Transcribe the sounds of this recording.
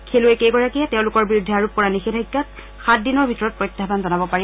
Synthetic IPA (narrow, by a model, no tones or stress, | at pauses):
kʰelʊekeɡɔɹakiɛtɛʊ̃lʊkɔɹbiɹudʱːiaɹup̚kɔɹanixedʱajkːat | xat̚dinɔɹbʱitɔɹɔt̚pɹɔjtːapanzɔnabɔpaɹi